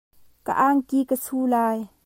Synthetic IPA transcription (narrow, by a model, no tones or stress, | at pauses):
ka̰ʔaːŋkiːkəsʰuːlaːj